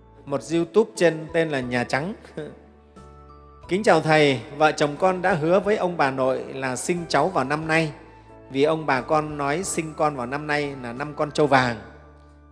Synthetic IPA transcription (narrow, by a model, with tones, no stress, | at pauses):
mo˨˩t̚zi˧wt̪u˦˥p̚t͡ɕe˧nt̪e˧nlaː˨˩ɲaː˨˩t͡ɕa˨˦ŋ | kï˨˦ŋ̟t͡ɕaː˨˩wt̪ʰə˨˩jvə̰ː˧˨t͡ɕə˨˩wŋ͡mkɔ˧nɗa̰ː˧˥ɦɨ˨˦əvəː˨˦jʔə˧wŋ͡mɓaː˨˩no̰˧˨jlaː˨˩sï˧ŋ̟t͡ɕa˨˦wvaː˨˩wna˧mna˧j | vi˨˩ʔə˧wŋ͡mɓaː˨˩kɔ˧nːɔ˨˦jsï˧ŋ̟kɔ˧nvaː˨˩wna˧mna˧jlaː˨˩na˧mkɔ˧nt͡ɕə˧wvaː˨˩ŋ